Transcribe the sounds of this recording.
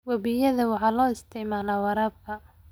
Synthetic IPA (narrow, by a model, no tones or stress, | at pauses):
wɐβijɐðɐwɑħɑːlɔːɪst̪ʰɪʕmaːlaːwɑɾaːb̚kʰɐ